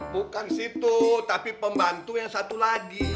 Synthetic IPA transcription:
bukansit̪ut̪apipəmbant̪ujaŋsat̪ulaɡi

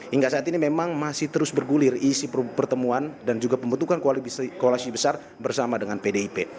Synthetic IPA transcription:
hiŋɡaʔsaat̪inimemaŋmasɪht̪əɾʊsbərɡulɪrisippərt̪əmuandand͡ʒuɡapəmbunt̪ukankokolasibəsar | bərsamadəŋanpedeipe

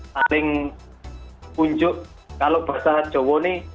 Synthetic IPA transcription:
salɪŋ | kuɲd͡ʒʊʔ | kalob̥a̤sad̥ʒ̥o̤wɔne

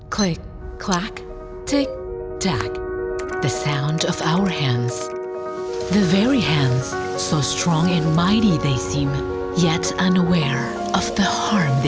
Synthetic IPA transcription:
kʰl̥ɪk̚ʰ | l̥æk | tʰɪk̚tʰæ̰kðɨsãʊ̃ndʌvaʊə˞hæ̃ndz̥ | ðɨvɛɹihæ̃ndz̥ | soʊstʰɹ̥ɔ̃ŋɨ̃nmaɪɾiðeɪsĩm | jɛɾʌ̃nəwɛɹ | ʔʌvðɨhɑɹmð

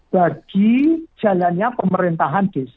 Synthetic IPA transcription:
b̥aɡ̥i̥d͡ʒ̥a̤lanɲapəməɾint̪aɦand̪̥es

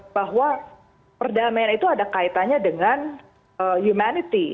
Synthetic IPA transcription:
baɦwa | pərdamajanit̪uadakait̪aɲadəŋan | əjumanit̪i

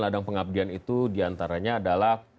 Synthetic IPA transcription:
ladaŋpəŋab̚dianit̪udiant̪aɾaɲaːdalah

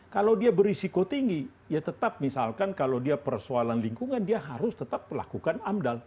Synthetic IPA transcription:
kalawdiabəɾisikot̪iŋɡi | jat̪ət̪ap̚misalkankalawdiapərsoalanliŋkuŋandiaɦaɾʊst̪ət̪ap̚la̰kukanamdal

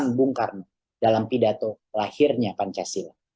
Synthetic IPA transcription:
ŋbuŋkarna | dalampidat̪o | lahirɲapaɲt͡ʃasila

